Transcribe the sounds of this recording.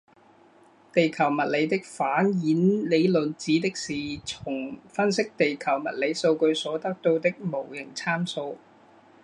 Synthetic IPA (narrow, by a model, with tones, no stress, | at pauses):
t̪e˨jkʰɐ˨˩wmɐ˨t̚le˨˧jt̪ɪ˥k̚faː˨˥njiː˨˥nle˨˧jlɵ˨nt͡siː˨˥t̪ɪ˥k̚siː˨t͡sʰʊ˨˩ŋfɐ˥nsɪ˥k̚t̪e˨jkʰɐ˨˩wmɐ˨˩t̚le˨˧jso˧wkɵ˧ɥsɔː˨˥t̪ɐ˥k̚t̪o˧wt̪ɪ˥k̚mo˨˩wjɪ˨˩ŋt͡sʰaː˥mso˧w